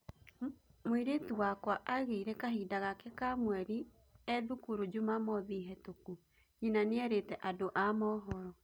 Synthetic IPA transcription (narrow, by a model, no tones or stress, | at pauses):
mwiɾetuwakwaʔaɣeiɾekaɦidaɣakɛkamwɛɾi | ɛðukuɾod͡ʑumamɔðiɦɛtoku | inaneɛɾetɛʔadoʔamɔːɦɔɾɔ